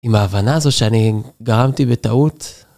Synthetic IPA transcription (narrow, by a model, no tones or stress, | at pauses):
imaːvanaːzo̞tʃeaniɡaʁamt̪ibet̪aut̪